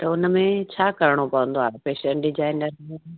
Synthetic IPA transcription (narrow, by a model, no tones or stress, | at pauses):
t̪ɐʊnmẽt͡ɕʰaːkɐɾɪɽ̃opɐʋə̃nd̪oaːepeːʃə̃ɳʈɖɪd͡ʑaːɪnəɾmẽ